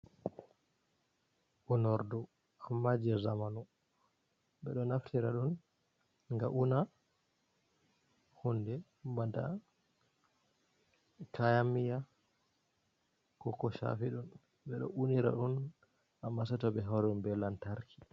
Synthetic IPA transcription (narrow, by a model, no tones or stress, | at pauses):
ʔunɔɾdɔ | amːad͡ʒɛzamanu | bɛɗɔnaftʰiɾaɗun | ŋɡaʔuna | hunːdɛ | mada̰ | kʰajamija | kɔkɔʃa̰fiɗun | bɛɗɔ̰ʔuniɾa̰ɗun | amːasɛtɔbɛɦaɾunbɛlːantaɾkʰi̥